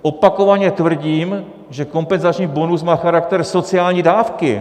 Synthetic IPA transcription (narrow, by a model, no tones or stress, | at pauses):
ʔo̞pako̞vaɲɛt̪vr̩ɟiːm | ʒɛko̞mpɛnzat͡ʃɲiːbo̞nus̬maːxaɾak̚t̪ɛɾso̞t͡sɪaːlɲiːdaːfkɪ̰